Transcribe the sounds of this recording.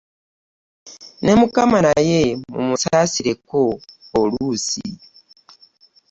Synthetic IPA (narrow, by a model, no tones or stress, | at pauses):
ne̞mukamanajemṵmusaasiɾekoːluuːsḭ